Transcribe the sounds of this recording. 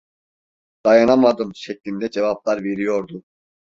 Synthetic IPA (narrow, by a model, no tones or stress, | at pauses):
d̪̥ajanamad̪ɯmʃɛclʲind̪ɛd͡ʒevap̚lˠaɾve̞ɾijo̞ɾd̪u